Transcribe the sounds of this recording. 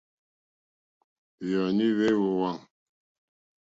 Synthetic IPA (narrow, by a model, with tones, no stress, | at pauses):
jɔ˨ni˦we˦wo˨wa˦˨ŋ